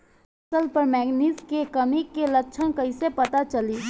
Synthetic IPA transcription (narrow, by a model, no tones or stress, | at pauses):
ɐsəlpəɾmɛːɡniːskekɐmikelɐkːʃʰənkɐɦisepɐt̪at͡ʃɐliː